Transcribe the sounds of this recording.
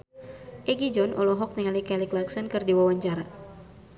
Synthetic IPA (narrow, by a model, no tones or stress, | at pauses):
ʔɛɡid͡ʒɔnʔɔlɔɦɔk̚niŋalikɛliklaksɔnkɨrdiwawaɲt͡ʃaɾa